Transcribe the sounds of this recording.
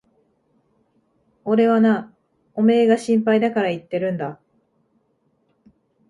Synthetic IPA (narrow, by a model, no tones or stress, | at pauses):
o̞ɾe̞βana | o̞me̞ːɡaɕĩmpaid̪akaɾait̪ːe̞ɾɯ̟̃nd̪a